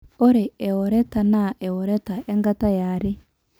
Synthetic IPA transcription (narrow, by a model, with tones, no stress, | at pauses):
ʔɔ˦ɾɛ˨ɛ˨wɔ˨ɾɛ˦ta˨na˦˨ʔɛ˨wɔ˨ɾɛ˦ta˨ɛ˦ŋɡa˦ta˦jaː˨ɾi˦